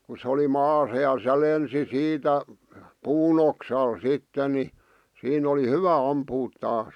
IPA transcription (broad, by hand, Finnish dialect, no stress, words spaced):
ku se oli mɑːsɑ jɑ se lensi siːtæ puːn oksɑl sitːe ni siːn oli hyʋæ ɑmpuːt tɑːs